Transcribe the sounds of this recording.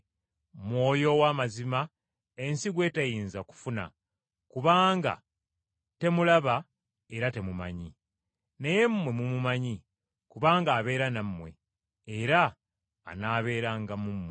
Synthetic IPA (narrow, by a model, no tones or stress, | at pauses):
mwo̞ːjo̞waːmazima | e̞nsiɡwe̞ːtajiːnzaku̥funa̰ | kuβaːŋɡa̰ | te̞mulaβa | eɾate̞muma̰ɲi | neje̞mːwe̞mumumaɲi | kuβaːŋɡaːβe̞ːɾanamːwe̞̰ː | ɾa̰ː | naːβe̞ːɾaŋɡamumwe